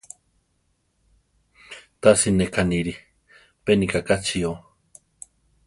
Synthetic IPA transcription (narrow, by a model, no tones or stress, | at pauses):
t̪asinekʰaniɾi | penikakat͡sʰio